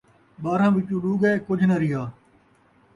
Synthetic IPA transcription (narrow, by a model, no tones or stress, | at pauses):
ɓaːɾãːʋɪt͡ʃũːɗuːɡeːkʊd͡ʒʱnəɾɪɦaː